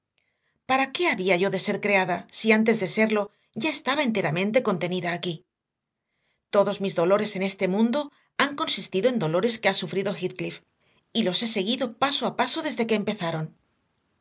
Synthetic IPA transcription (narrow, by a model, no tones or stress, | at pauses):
paɾake̞aβiaʝo̞ðe̞se̞ɾkɾe̞aðasiant̪e̞zðe̞se̞ɾlo̞ | ʝae̞st̪aβae̞nt̪e̞ɾamẽ̞nt̪e̞ko̞nt̪e̞niðaːki | t̪o̞ðo̞zmizðo̞lo̞ɾe̞se̞ne̞st̪e̞mũnd̪o̞ | aŋko̞nsist̪iðo̞e̞nd̪o̞lo̞ɾe̞ske̞asufɾiðo̞xit̪klif | ilo̞se̞se̞ɣiðo̞pasoapaso̞ðe̞zðe̞ke̞ːmpe̞θaɾo̞n